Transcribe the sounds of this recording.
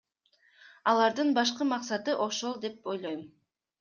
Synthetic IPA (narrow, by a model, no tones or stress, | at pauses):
ɑlˠɑɾd̪ɯnbɑʃ̬qɯmɑqsɑt̪ɯʔo̞ʃo̞lˠd̪e̞p̚o̞jlˠo̞jm